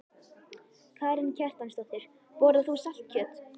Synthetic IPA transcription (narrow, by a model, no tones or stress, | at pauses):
kʰaːjɾɪncʰɛr̥t̪anst̪ɔht̪ɪɾ̥ | pɔɾðaθusal̥t̪̚cʰœːt̪